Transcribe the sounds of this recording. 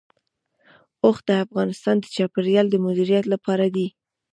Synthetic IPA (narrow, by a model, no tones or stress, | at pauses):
oxd̪əafɣɑnɪst̪ɑnd̪ət͡ʃɑpɪɾjɑld̪əmʊd̪iɾijat̪lapɑɾad̪i